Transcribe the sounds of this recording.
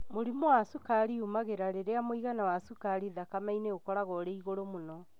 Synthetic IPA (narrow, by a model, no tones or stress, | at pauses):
moɾimowasukaɾiumaɣeɾaɾeɾeamoiɣanawasukaɾiðakamaineokɔɾaɣɔɾeiɣoɾomonɔ